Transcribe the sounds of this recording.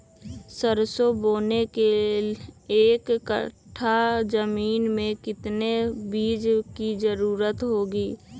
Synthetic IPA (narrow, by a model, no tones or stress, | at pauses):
səɾsoboːneke | eːkːə̰ʈʰad͡ʒəmiːnmẽkɪt̪nebiːd͡ʒkid͡ʒəɾuːɾət̪ɦoːɡiː